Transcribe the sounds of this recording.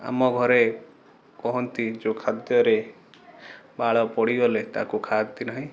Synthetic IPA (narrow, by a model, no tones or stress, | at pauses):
a̰mɔɡʱɔɾe | kɔɦɔnt̪id͡ʒokʰad̪jɔɾe | baɭɔpɔɽiɔlet̪a̰kukʰad̪t̪inaɦĩ